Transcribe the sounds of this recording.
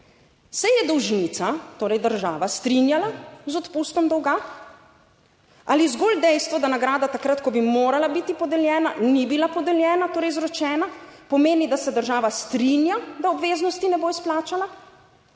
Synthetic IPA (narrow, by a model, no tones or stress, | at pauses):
sɛjɛd̪ɔwʒinit̪sat̪oːɾɛjd̪əɾʒaːʋast̪ɾinjalazɔt̪pust̪ɔmd̪ɔwɡa | ʔalizɡold̪ɛjst̪vʋɔd̪anaɡɾaːd̪at̪akɾat̪kɔbimoːɾalabit̪ipɔd̪ɛljɛːnanibilapɔd̪ɛljɛːnat̪oːɾɛjzɾɔt͡ʃɛːnapɔmeːnid̪asɛd̪əɾʒaːʋast̪ɾinjad̪aɔbʋeːznɔst̪inɛboisplaːt͡ʃala